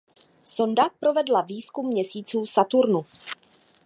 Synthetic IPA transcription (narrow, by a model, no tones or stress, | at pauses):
so̞ndapɾo̞vɛdlaviːskumːɲɛsiːt͡suːsat̪uɾnu